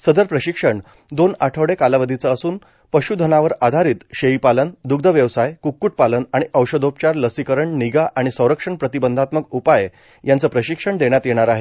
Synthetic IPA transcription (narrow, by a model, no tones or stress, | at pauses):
səd̪əɾpɾəɕikʂəɳ | d̪onaʈʰəʋɽekalaʋəd̪ʱit͡səːsuːn | pəɕud̪ʱənaʋəɾad̪ʱaɾiːt̪ɕeipalənd̪uɡ̚d̪ʱəʋjəʋsajkukːuʈ̚palənaɽ̃iəwɕəd̪op̚t͡ɕaɾləsikəɾəɳniɡaʔaɽ̃isə̃w̃ɾəkʂəɳpɾət̪ibənd̪ʱat̪məkupaj | jant͡səpɾəɕikʂəɳd̪eɳjat̪jeɽ̃aɾaɦe